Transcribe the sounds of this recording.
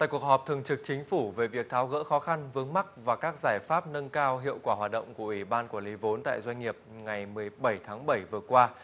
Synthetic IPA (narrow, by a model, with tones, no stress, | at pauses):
a̰ː˧˨ku˨˩ək̚hɔː˨˩p̚t̪ʰɨ˨˩əŋt͡ɕɨ˨˩k̚t͡ɕï˨˦ŋ̟fu˧˩ve˨˩vi˨˩ək̚t̪ʰaː˨˦wɣə̰ː˧˥xɔ˨˦xa˧nvɨ˨˦əŋma˦˥k̚vaː˨˩kaː˦˥k̚zaː˧˩jfaː˦˥p̚nə˧nkaː˧wɦḭ˧˨əwkwaː˧˩ɦwaː˨˩t̚ɗə̰˧˨wŋ͡mku˧˩əʔwi˧˩ɓaː˧nku˧˩li˨˦vo˨˦nt̪a̰ː˧˨jzwa˧ŋ̟ŋi˨˩əp̚ŋa˨˩jmɨ˨˩əjɓə˧˩jt̪ʰaː˨˦ŋɓə˧˩jvɨ˨˩əkwaː˧